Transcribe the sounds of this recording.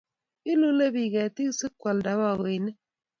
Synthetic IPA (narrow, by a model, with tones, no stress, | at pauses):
i˦lu˦le˦bi˨ɡɛ˨ti˦ksɨ˦kwa˨lda˨˦wa˦˨ɡo˨i˨ne˦